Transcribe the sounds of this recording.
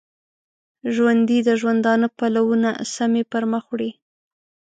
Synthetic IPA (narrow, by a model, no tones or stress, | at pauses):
ʒwand̪id̪əʒwand̪ɑnopalawuna̰samepəɾməxwɽi